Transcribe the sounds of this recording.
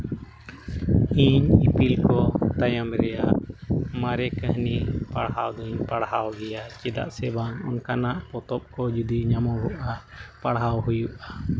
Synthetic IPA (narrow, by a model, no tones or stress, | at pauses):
iɲipilkɔt̪ajamɾɛjaʔmaɾɛkəhnipaɽɦawd̪ɔiɲpaɽhawɡɛjat͡ʃɛd̪a̰ʔsɛbaŋɔnkanaʔpɔt̪ɔp̚kɔd͡ʒud̪iɲamɔɡɔʔapaɽɦawɦujuʔa